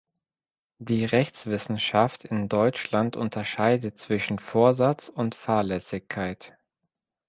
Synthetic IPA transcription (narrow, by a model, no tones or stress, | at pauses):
d̥iːʁɛçt͡sv̥ɪsn̩ʃaftʰɪndɔʏt͡ʃlantʔʊ̰ntʰɐʃaɪdətt͡sv̥ɪʃn̩foːɐzat͡sʊntfaːɐlɛsɪçkʰːaɪt